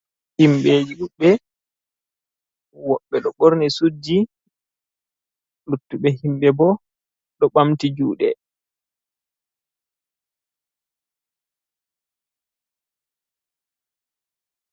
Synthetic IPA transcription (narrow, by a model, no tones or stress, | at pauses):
himɓeːd͡ʒiɗuɓːɛ | wɔɓːɛɗɔɓoɾnisud͡ʒːi | lutːuɓɛhimɓɛbɔ | ɗɔɓamtid͡ʒuːɗɛ̰